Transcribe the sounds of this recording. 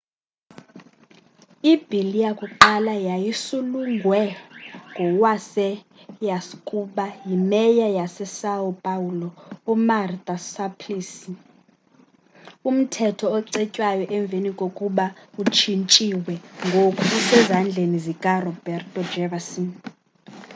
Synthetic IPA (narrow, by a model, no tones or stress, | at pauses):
ib̥ʱilijakʼuǃalajajisuluŋɡʱwɛŋɡʱɔwasɛ | jaskʼuɓajimɛjajasɛsaɔpʼaulɔɔmart̪ʼasapʰlisi | um̩tʰɛtʰɔːǀɛcʼwajɔʔɛɱb̪vʱenikʼokʼuɓaut͡ʃʰint͡ʃʼiwɛŋɡʱokʰʼusɛzand͡ɮʱenizikʼarɔbɛrtʼɔd͡ʒɛvasɔn